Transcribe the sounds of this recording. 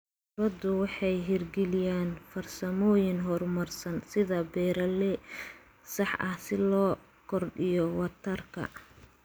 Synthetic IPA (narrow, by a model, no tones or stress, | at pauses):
bɐd̪ʊwɑħɑjɦɪrɡɛlɪjaːnfɐrsɐmɔːjɪŋɦɔrmɐrsɐnsɪðɐbɛːɾɐlɛ | sɑħʔɐhsɪlɔː | kʰɔrɖɪjɔwɐt̪ʰɐrkʰɐ̰